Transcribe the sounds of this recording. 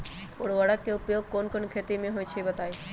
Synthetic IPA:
o̰ɽʋɐɽəkːeʊpjoːɡ̚koːnkoːnkʰeːt̪imẽɦojt͡ʃʰibɐt̪aːi

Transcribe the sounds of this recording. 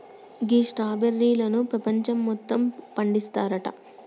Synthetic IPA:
ɡiːʂʈaːbeɾːiːlɐnupɾɐpɐɲt͡ʃɐmːɔt̪ːɐmpɐɳɖist̪aːɾɐʈɐ̰

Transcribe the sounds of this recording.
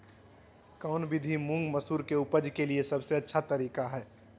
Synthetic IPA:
kɔʊnbid̪ʱimũŋɡməsuːɾkeupəd͡ʒkeliesəbseətːʃʰat̪əɾiːkaɦɛː

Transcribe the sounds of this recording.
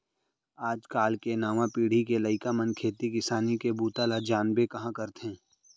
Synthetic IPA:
aːd͡ʒkaːlkenaːmãpiːɽ̤ikelɐɪkamɐnkʰeːt̪ikɪsaːnikebuːt̪alad͡ʒaːnbekɐɦãkɐɾt̪ɦɛ̃ː

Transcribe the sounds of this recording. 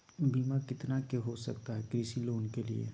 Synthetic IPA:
biːmakɪt̪nakeɦosɐ̰kt̪aɦɛkɾiːsiloːnkelḭḛ

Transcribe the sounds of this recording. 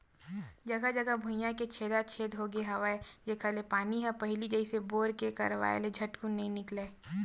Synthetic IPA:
d͡ʒɐɡad͡ʒɐɡabʱʊjãket͡ʃʰeːd̪at͡ʃʰeːd̪ɦoɡeɦɐʋaːejekʰɐlepaːniɦɛpɐɦɪlid͡ʒɐɪseboːɾkekɐ̰ɾʋa̰ːḛled͡ʒʱɐʈkunɐɦĩnɪkleː

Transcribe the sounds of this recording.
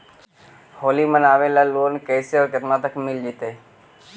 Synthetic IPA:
hoːliːmənaːʋeːlaːloːnkeːseɔːɾkət̪nãːt̪əkmɪld͡ʒit̪eː

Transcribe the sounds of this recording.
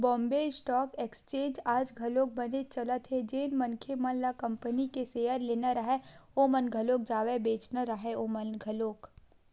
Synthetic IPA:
bɔ̃ːmbeɪsʈɔːkekst͡ʃẽːd͡ʒaːd͡ʒɡʱɐloːk̚bɐnet͡ʃɐlət̪ɦed͡ʒeːnmɐnkʰemɐnlakɐ̃mpənikeseːjəɾleːnaɾɐɦeoːmənɡʱɐloːk̚d͡ʒaːʋebeːt͡ʃnaɾəɦeoːmɐnɡʱɐloːk

